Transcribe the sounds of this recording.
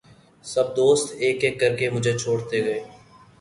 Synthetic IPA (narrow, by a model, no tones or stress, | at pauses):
sɐb̚d̪oːst̪eːkːeːkːɐɾkemʊd͡ʒʱet͡ʃʰoːɽt̪eɡɐeː